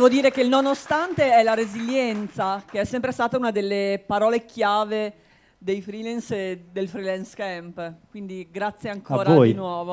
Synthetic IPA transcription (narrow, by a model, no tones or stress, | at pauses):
d̪ɛvod̪iːɾekelnonost̪ant̪eɛlaɾeziljɛnt̪sakeɛsːɛmpɾest̪aːt̪aunad̪elːepaɾɔːlekjaːve | d̪ejfɾilɛnsd̪elfɾilɛnskɛmpkwind̪iɡɾat̪sːjeaŋkaoːɾavojinwɔːvo